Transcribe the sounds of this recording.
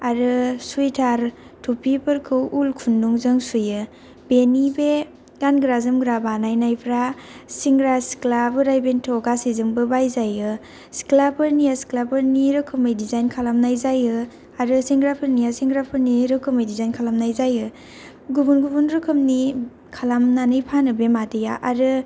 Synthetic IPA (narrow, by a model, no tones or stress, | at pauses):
aɾɯsujtʰaɾ | tʰupʰipʰɯɾkʰɯwʔulkʰunːuŋzɯŋsujɯ | benibe | ɡanɡɾazɯmɡɾabanajnajpʰɾasiŋɡɾasi̥klabɯɾajbentʰɔɡasizɯŋbɯbajzajɯ | si̥klapʰɯɾnijasi̥klapʰɯɾniɾɯkʰɯmɯjdizajnkʰalamnajzajɯ | aɾɯsiŋɡɾapʰɯɾnijasiŋɡɾapʰɯɾniɾɯkʰɯmɯjdizajnkʰalamnajzajɯ | ɡubunɡubunɾɯkʰɯmni | kʰalamnanɯjpʰanɯbemadɯja̰ʔaɾɯ